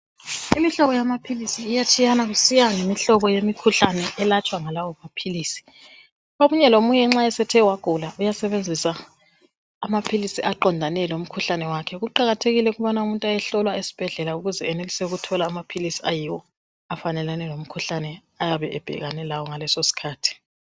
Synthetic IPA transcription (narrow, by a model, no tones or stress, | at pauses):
imiɬɔβɔjamapʰilisiːjat͡ʃʰʼijanaɣusijaŋemiɬɔβɔjemikʰuɬanɛɛlat͡ʃʼwaŋalawɔmapʰiliːsi̥ | omuɲɛlomuɲɛŋ͡ǁaɛsɛtʰɛwaɡ̥ʱulaʔujasɛβend͡zʱisaː | mapʰilisiʔaǃɔndʱanɛlom̩kʰuɬanɛwakʰɛɣuǃaɣatʰeɣilɛuɣuβanaumuntʼajɛɬɔlwaesi̥b̥ʱɛɮɛlauɣuzɛɛnelisɛuɣutʰɔlaːmapʰilisiajiwɔ | afanɛlanɛlom̩kʰuɬanɛ | ajaβɛʔɛb̥ʱɛ̰ɣanɛlawɔŋalɛsosi̥kʰaːtʰi̥